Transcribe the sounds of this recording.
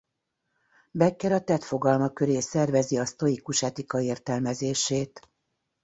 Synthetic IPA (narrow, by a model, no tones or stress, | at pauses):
bɛkːɛɾɒt̪ɛt̪fo̞ɡɒlmɒkø̞ɾeːsɛrvɛziɒst̪o̞ikuʃɛt̪ikɒeːrt̪ɛlmɛzeːʃeːt̪